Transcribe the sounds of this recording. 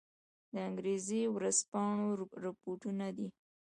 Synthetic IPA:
d̪əaŋɡɾezewɾaspɑɳoɾapoʈunad̪i

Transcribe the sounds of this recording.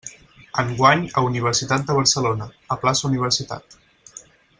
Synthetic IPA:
əŋɡwaɲəuniβ̞əɾsit̪at̪̚d̪əβ̞əɾsəlonə | əplasəuniβ̞əɾsit̪a̰t̪

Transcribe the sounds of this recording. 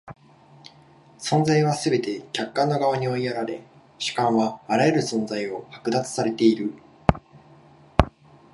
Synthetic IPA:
sõ̞nd͡zaiβ̞asɨbe̞t̪e̞kʲakːãnːo̞ɡaβ̞aɲ̟io̞iaɾaɾe̞ | ɕi̥kãɰ̃βaːɾajeɾɯ̟sõ̞nd͡zaio̞hakɯ̟d̪at͡sɨ̥saɾe̞t̪e̞iɾɯ̟

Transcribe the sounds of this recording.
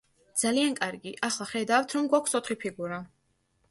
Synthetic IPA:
d̪z̥aliankʼaɾɡiʔaχlˠaχɛd̪avft̪ʰɾɔmɡwakʷʰsɔt̪ʰχipʰiɡuɾa

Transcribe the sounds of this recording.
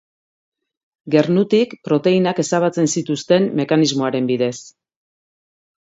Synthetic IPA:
ɡe̞rnut̪ikpɾo̞t̪e̞inake̞saβat͡se̞nsit̪ust̪e̞mme̞kanizmo̞aɾe̞mbiðe̞s

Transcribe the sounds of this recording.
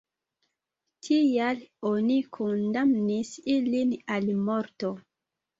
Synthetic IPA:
tʰijalonikʰondamnisilinalmoɾto

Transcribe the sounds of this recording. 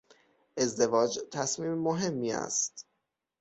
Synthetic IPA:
ʔe̞zd̪e̞vɒːd͡ʒt̪ʰæsmiːmːoɦe̞mːiːæ̰st̪

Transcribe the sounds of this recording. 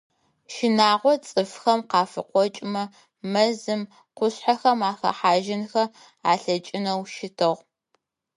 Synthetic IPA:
ʃɪnaːʁʷɔt͡sʼɨfxɐmqɑːfɨqʷɔt͡ʃʼɪmɐ | mɐzɨm | qʷʊɕħaxɐmaːxɐ̰ħaːʒɪnxɐ | aːɬɐt͡ʃʼɪnɐwʃɪtʰɨʁ

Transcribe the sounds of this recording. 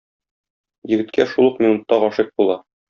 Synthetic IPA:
jɘ̆ɡɘ̆t̪kʰæʃulˠuqmʲinut̪ːɑʁɒʃɤq̚bulˠɑ

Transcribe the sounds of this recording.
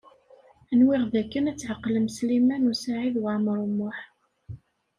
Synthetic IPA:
ənwɪʁðækːənæt͡sːħəqːləmslimænusaʕiðwamɾˤumːʊħ

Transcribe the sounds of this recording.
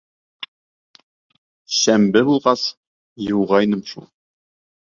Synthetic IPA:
ɕæmbɘbulˠʁɑs | jəwʁɑjnəmʃṵ

